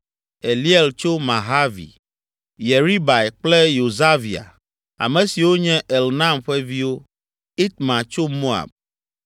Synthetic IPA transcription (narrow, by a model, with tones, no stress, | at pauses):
e˨li˦e˦˨lt͡ʃo˦mã˨ɦa˦vḭ˨ | je˨ɾi˦ba˨e˨k͡plɛ˦jo˨za˦vi˨a̰˨ | a̰˨mɛ̃˨si˨wo˦ɲɛ̃˦ʔe˨lnã˦mɸɛ˦vi˦wo˦ | i˦t̪mã˨t͡ʃo˦mo˦a̰˨b̚